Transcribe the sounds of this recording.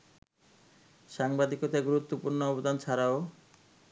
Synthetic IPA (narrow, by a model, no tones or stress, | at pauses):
ʃaŋbad̪ikot̪aɡuɾut̪ːopuɾnoɔbod̪ʱant͡ɕʰaɾao